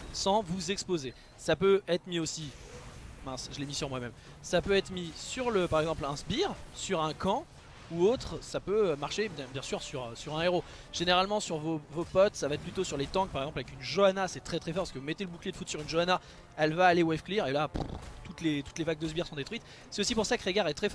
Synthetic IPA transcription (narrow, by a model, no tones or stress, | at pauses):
sɑ̃vuzɛkspoze | sapøɛt̪χmiosi | mɛ̃sʒəlemisyʁmwamɛm | sapøɛt̪χmisyʁləpaʁɛɡzɑ̃plɛ̃sbiʁsyʁɛ̃kɑ̃ | uot̪χsapøømaʁʃebjɛ̃bjɛ̃syʁsyʁsyʁɛ̃eʁo | ʒ̥eneʁalmɑ̃syʁvovopɔt̪savaɛt̪̚plyt̪osyʁlet̪ɑ̃k̚paʁɛɡzɑ̃plavɛkynʒoanasɛt̪χɛt̪χɛfɔʁpaskəvumɛt̪eləbukled̪əfut̪syʁynʒoana | ɛlvaːlewɛfkliʁelapṵt̪ut̪let̪u̥t̪levaɡ̚d̪ozbjiʁsɔ̃d̪et̪χɥit̪ | sɛt̪osipuʁsakəʁeɡaʁɛt̪χɛfɔ